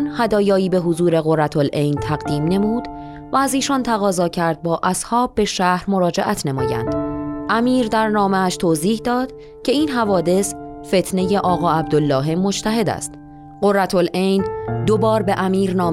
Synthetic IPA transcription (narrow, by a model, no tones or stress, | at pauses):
nhæd̪ɒːjɒːiːbe̞ɦozuːɾe̞ɣo̞rːæt̪ʰolʔe̞jnt̪ʰæɣd̪iːmne̞muːd̪ | væːziːʃɒnt̪ʰæɣɒːzɒːcʰæɾd̪̚bɒːʔæshɒːb̚ːe̞ʃæhɾmo̞ɾɒːd͡ʒeʔæt̪ʰnemɒ̰ːjæ̰nd̪̥ʔæmiːɾd̪æɾnɒːmeæʃt̪ʰoːziːhd̪ɒːd̪̥ | cʰe̞iːnɦævɒːd̪e̞s | fe̞t̪ʰne̞je̞ʔɒːɣɒːæb̚d̪olːɒːɦe̞mo̞t͡ʃt̪ʰæɦe̞d̪æ̰st̪ | ɢo̞rːæt̪ʰolʔejnd̪obɒːɾbe̞ʔæmiːɾnɒː